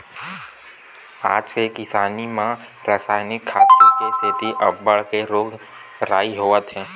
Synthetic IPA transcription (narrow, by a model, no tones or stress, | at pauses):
a̰ːd͡ʒkekɪsaːnimã | pɾaːsaːɪnɪkʰːaːt̪kest̪ʰɪt̪iʔəbːəɭkeɾoːɡ | ɾaːiɦoːət̪ɦɛ̃ː